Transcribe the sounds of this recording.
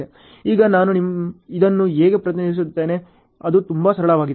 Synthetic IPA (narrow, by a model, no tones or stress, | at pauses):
e | iːɡɐnaːnunimid̪ɐnːuɦeːɡepɾɐt̪̬inɐdis̬ut̪ːe̞ːne̞ | ɐd̪ut̪umbɐsɐɾɐɭɐʋaːɡid